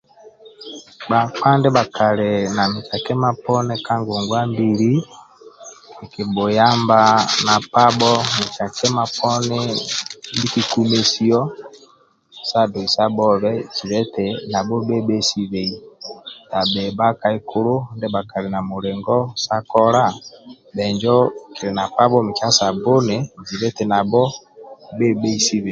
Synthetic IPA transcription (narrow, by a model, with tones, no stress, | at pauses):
ba˨k͡pa˦ndɛ˦ba˨kʰa˨le˨na˨mi˨t͡ʃa˨kɛ˦ma˦pɔ˦nɛ˦ka˦ŋɡo˨ŋɡwa˦mbi˨ɾi˦ | e˨ke˨bo˨ja˦mba˦na˨pa˦bɔ˦mi˨t͡ʃa˨kʰɛ˦ma˦pʰɔ˦nɛ˦ndi˦ki˦ku˦me˦si˦ɔ˦ | sa˦do˨i˨sa˦bɔ˦βɛ˦t͡ʃi˨ɾɛ˦tɛ˨na˨bɔ˦be˦bɛ˦si˦βe˨i˨sa˨bɛ˨ba˦ka˦i˦kʰo˦ɾo˦ndɛ˦ba˨ka˨ɾe˨na˨mo˨ɾe˨ŋɡɔ˦sa˦kɔ˦ɾa˦˨ | bɛ˨ɲd͡ʒɔ˦kʰi˨ɾe˨na˨pa˦bɔ˦me˨t͡ʃa˦sa˨bo˦ne˨zi˨ɾɛ˦tɛ˨na˨bɔ˦ | be˦be˦i˦si˦βe˨